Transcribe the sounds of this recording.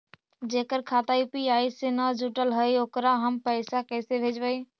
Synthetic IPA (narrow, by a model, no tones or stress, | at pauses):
d͡ʒeːkəɾkʰaːt̪aipiaːisenəd͡ʒʱuʈəlɦəioːkɾaɦəmpəɪsakɛːsebʱeːd͡ʒbəi